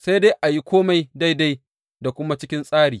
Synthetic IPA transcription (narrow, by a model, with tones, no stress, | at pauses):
sa˦jda˦jʔa˨ji˦kʷoː˦ma˨jda˦jda˦j | da˨kʷʊ˦ma˦t͡ʃɪ˦kʲɪ˦nsʼaː˦ɽiː˨